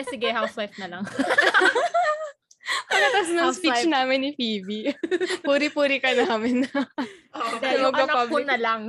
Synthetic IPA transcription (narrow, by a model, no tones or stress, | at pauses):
ɛsɪɡɛhawswajfnɐlɐŋ | pɐlɐt̪ɐsnɐŋspit͡ʃnaːmɪnːɪpiːbipuːɾɪpuːɾɪkɐnaːmɪn | ɛmɐɡ̚paablɪnɐlɐŋ